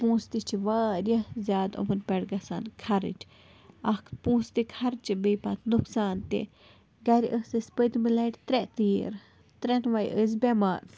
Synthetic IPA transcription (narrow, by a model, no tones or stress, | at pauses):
pũːst̪it͡ʃʰiʋaːɾʲjɐhzjaːd̪ṵmɨnpʲɛɽɡɐsa̰nkʰɐɾɨ̰t͡ʃʲʰ | ɐk̪ʰpũːst̪ikʰɐɾt͡ʃibəːpat̪nuksaːnt̪ḛ | ɡɐɾʲʔəsɨspəd̪milaʈʲt̪ɾɛʔt̪iːɾ | t̪ɾɛnʋajʔəz̬bʲɛmaːɾ